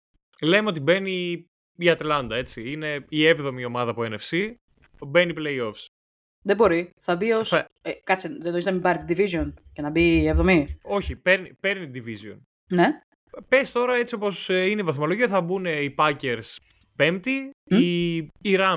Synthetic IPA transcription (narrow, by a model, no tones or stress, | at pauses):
lemeo̞t̪̬ibe̞ni | iɐt̪lɐnd̪ɐe̞t͡siine̞ievðo̞mio̞mɐðɐpuene̞fsi | be̞nipleio̞fs | ðebo̞ɾiθɐbios | ekɐt͡siðed̪oiznɐmibɐɾit̪id̪ivizioncenɐbievðo̞mio̞çipe̞ɾnipe̞ɾnit̪d̪ivizjo̞̰n | ne | pe̞st̪o̞ɾɐe̞t͡sio̞po̞sinevɐθmɐloʝioθɐbune̞ipɐce̞ɾs | pemt̪iiiɾɐ